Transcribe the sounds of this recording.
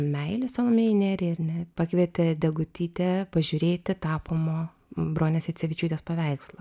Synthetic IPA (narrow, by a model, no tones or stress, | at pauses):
mʲɛɪlʲɪsɐnoːmʲeːɪnʲeːɾʲɪɪɾʲnʲɛpɐkʋʲiɛt̪ʲɪd̪ʲɛɡʊt̪ʲiːt̪ʲɛpɐʒʲʊɾʲeːt̪ʲɪt̪ɑːpoːmoː | bɾoːnʲeːsɪt͡ssʲɛʋʲɪt͡ʃʲuːt̪ʲeːspɐʋʲɛɪkslˠɐ